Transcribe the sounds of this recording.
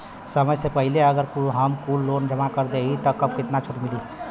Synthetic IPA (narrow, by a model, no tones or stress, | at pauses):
səməjsepəɦɪleɐɡəɾkɦɐmkuːlːoːnd͡ʒəmakəɾd̪eɦit̪ɐkɐbkɪt̪nat͡ʃʰʊʈmɪliː